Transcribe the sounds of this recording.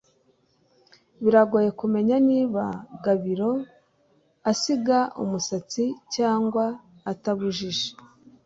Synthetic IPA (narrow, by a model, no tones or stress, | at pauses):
βiɾaɡoje̞kume̞ɲaniːβaɡaβiɾo̞ | asiɡaṵmusat͡sicaːŋɡwaː | taβuʒiʒe̥